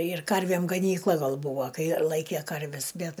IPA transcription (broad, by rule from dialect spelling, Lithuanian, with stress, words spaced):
ɪr ˈkɐrʲʋʲeːm ɡɐˈnʲiːklˠɐ ˈɡɐlˠ ˈbʊʋoː ˈkɐɪ ˈlˠɐɪkʲeː ˈkɐrʲʋʲɛs ˈbʲɛt